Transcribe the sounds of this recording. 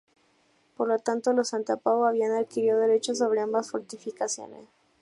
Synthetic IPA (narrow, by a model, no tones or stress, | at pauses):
poɾlot̪ant̪o̞losant̪apaoaβianaðkiɾiðoðeɾet͡ʃos̬o̞β̞ɾe̞ambasfoɾt̪ifikasjo̰nḛs